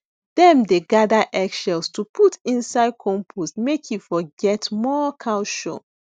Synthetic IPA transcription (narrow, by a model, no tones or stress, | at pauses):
d̥ɛ̃mdeɡadəʔɛkʃɛlstʰupʰutʰĩnsaɪd̚kʰɔ̃mpʰostmekʰjufɔɡɛtmɔkʰãʊʃo̰